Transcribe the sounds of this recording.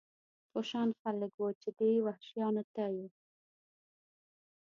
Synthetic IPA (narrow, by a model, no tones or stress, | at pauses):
foʃɑnxalɪkwot͡ʃed̪ewahʃjɑnat̪aju